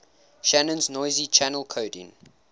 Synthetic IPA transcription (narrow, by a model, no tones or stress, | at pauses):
ʃænə̃nznɔɪzit͡ʃʰænəlˠkʰoʊdḭ̃n